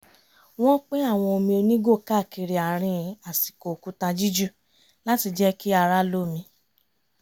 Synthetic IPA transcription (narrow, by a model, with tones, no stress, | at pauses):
w̃ɔ̃˦k͡pẽ˦a˦˨w̃ɔ̃˧o˧mĩ˧o˧nĩ˦ɡo˦˨ka˦˨ki˧ɾi˨a˨ɾ̃ĩ˧˨a˨si̥˨ko˨ku˨˦ta˧d͡ʒi˦d͡ʒu˦˨ | la˦ti˧d͡ʒɛ˦ki˦a˧ɾa˦lo˦˨mĩ˧